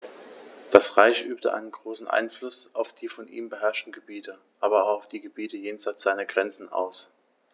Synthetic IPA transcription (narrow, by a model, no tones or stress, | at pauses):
d̥asʁaɪçʔyːp̚tə̰ʔa̰ɪnənɡʁoːsn̩ʔa̰ɪnflʊsʔaʊfd̥iːfɔnʔḭːmbəɦɛɐʃtn̩ɡəbiːtə | ʔaːbɐaʊfd̥iːɡəbiːtəjeːnzaɪt͡sz̥aɪnɐɡʁɛnt͡sn̩ʔa̰ʊs